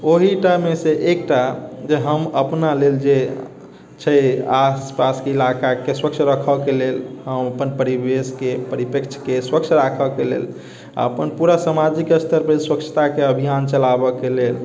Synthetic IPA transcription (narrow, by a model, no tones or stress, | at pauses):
oɦiʈameseʔekʈad͡ʒeɦəməpnaleld͡ʒe | t͡ʃʰəaspaskeilakakeswək̚t͡ʃʰɾəkʰəkelelhəməpənpəɾibeskepəɾipəkt͡ʃʰkeswək̚t͡ʃʰɾakʰəkelḛl | a̰əpənpuɾasamad͡ʒikəst̪ʰəɾpeswəkt͡ʃʰə̥t̪akeəbʱijant͡ʃəlabəkelel